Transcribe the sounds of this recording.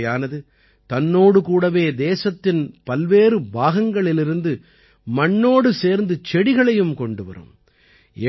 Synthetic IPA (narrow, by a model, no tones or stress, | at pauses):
jaːnɐðɯ | t̪ɐnːoːɽɯkuːɽɐʋeːd̪eːsɐt̪ːɪnpɐlʋeːɾɯbaːɣɐŋɡɐɭɪlɪɾɯnd̪ɯ | mɐɳːoːɽɯseːɾnd̪ɯt͡ʃɛɽɪɣɐɭɐjɯmkɔɳɖɯʋɐ̰ɾɯ̰m | ɛ